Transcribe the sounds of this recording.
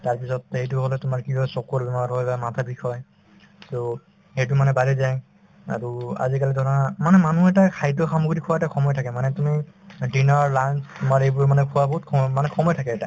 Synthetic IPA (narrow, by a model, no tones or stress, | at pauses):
taɹpisɔthejt̬ʊɦolɛtʊmaɹkibɔsɔkɔɹbimatɦɔjbamatʰabikʰɔj | so | hejtumanɛbalizaj | a̰ɹua̰zikalidɔnamanɛmanuɛtakʰajtɔxamukɡɾikʰʊwaɛtaxʰɔmɔjtʰakɛmanɛtumidinɔɹlanstʊmaɹejbʊɹmanɛkʰʊwabɔɦutkʰɔɔmanɛxʰɔmɔjtʰakɛɛta̰